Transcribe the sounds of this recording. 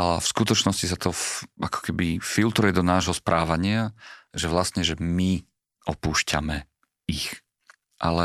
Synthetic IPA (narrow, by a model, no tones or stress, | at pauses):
afskut̪ɔt͡ʃnɔscis̬at̪ʰɔʔakɔ̥kɛbifilt̪ɾujɛd̪ɔnaːʒɦɔspɾʔaːʋaɲɪaʒɛʋlast̪ɲɛʒɛmi | ʔɔpuːʃca̰mɛ | ix | ʔa̰lɛ